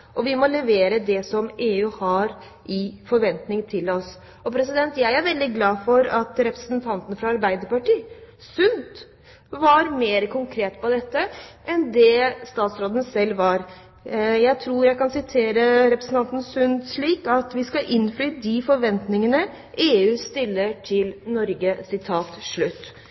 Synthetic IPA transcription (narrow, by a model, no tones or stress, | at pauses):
ʔɔʋɪmɔlɛʋeːɾəd̪ɛsɔmeːʉːhɑɾ | ʔɪfɔɾʋɛnt̪nɪŋt̪ʰɪlɔs | ɔpʰɾɛsɪd̪ɛnt̪jæɪæɾʋɛld̪ɪɡlɑːfɔɾɑt̪ɾɛpɾəsənt̪ʰɑnt̪ənfɾɑɑɾbæɪd̪əɾpɑʈiː | sʉnt̪ | ʋɑɾmeːɾəkʰʊŋkʰɾeːt̪pɔd̪ɛt̪ːəʔɛnd̪ɛst̪ɑːt̪sɾoːd̪ən̩sɛlːʋɑɾ | jæɪt̪ʰɾuːɾjæɪkɑnsɪt̪ʰeːɾəɾɛpɾəsən̩t̪ɑnt̪n̩sʉnd̪ʂɭiːkɑt̪ʋɪskɑʔɪnːflyːd̪ifɔɾʋɛnt̪nɪŋənə | ʔeːʉːst̪ɪlːəʈʰɪlnɔɾɡəsɪt̪ʰɑːt̪ʂɭʉt̪ː